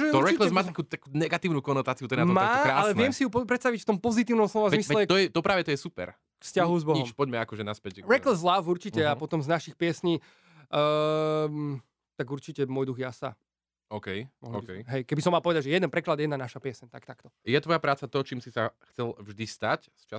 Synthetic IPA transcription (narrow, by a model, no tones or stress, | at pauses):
ʒɛɔɾɛklɛsmaːt̪akuːt̪akuːnɛɡat̪iːʊnuːkɔnɔt̪aːt͡siut̪ɔɛnamaːakɾaːalɛʋɪɛmsijupɔpɾɛt̪st̪aʋicft̪ɔmpɔzit̪iːʊnɔmslɔʋazmislɛt̪ɔjɛt̪ɔpɾaːʋɛt̪ɔjɛsupɛ̰ɾ | kfscaɦuzbɔɦɲiɔmʃpɔɟmɛakɔʒɛnaspɛcɾɛklɛzlafuɾt͡ʃicɛapɔt̪ɔmznaʃixpɪɛsɲiː | t̪aɡuɾt͡ʃicɛmɔːjd̪uɣjasa̰ | ɔkɛjmɔɦkɛɦɛjkɛbis̬ɔmːalˠpɔʋɛd̪aɟʒɛjɛd̪ɛnpɾɛklad̪jɛd̪nanaʃapɛsɛɲt̪akt̪akt̪ɔjɛt̪ʋɔjapɾaːt͡sat̪ɔt͡ʃiːmsisaxt͡sɛlvʒd̪ist̪acst͡ʃa